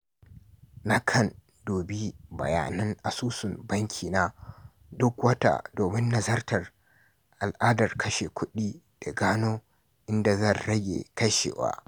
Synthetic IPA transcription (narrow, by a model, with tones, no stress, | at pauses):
na˦kʰɐ˦˨n | doː˨bi˦bɐ̰˨ja̰ː˨nɐ˦ŋʔa˨suː˦sʊ˨mbɐ˦ŋkʲʰiː˨na˦ | dʊ˦kwɐ˦ta̰˨doː˨mɪ˦nːɐ˨zɐ˦rtɐ˨r | ʔa˨lʔaː˦dɐ˨rkɐ˦ʃe˨kʷʊ˦ɗiː˦ | d̥a˨ɡaː˦noː˦ | ʔɪ˦nda˨zɐ˦˨nɽɐ˦ɡʲḛː˨kɐ˦ʃḛː˨wa̰ː˦